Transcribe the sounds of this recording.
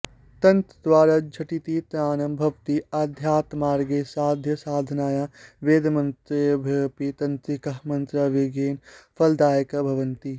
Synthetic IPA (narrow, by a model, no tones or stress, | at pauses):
t̪ɐ̃nt̪d̪ʋwaːɾad͡ʒʱɐʈit̪it̪ɾaːnɐmbʱɐʋt̪iɐd̪ʱjaːt̪maːɾɡesaːd̪ʱjɐsaːd̪ʱnaːjaʋeːd̪mɐnt̪ɾebʱɐpit̪ɐ̃nt̪ɾikɐɦmɐnt̪ɾaʋeɡeːnpʰɐld̪aːjəkɐbʱɐʋɐnt̪i